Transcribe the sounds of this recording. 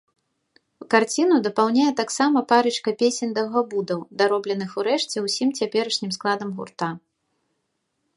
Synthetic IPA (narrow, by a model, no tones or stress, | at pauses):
wkart͡sʲinud̪ɐpawnʲajɛt̪aksamɐpaɾɨt͡ʂkɐpʲesʲɛnʲd̪ɐɣabud̪ɐwd̪aɾɔblʲɛnɨxuɾɛʂt͡sʲɛwsʲimt͡sʲapʲɛɾɐʂnʲimsklˠad̪ɐmɣṵrt̪a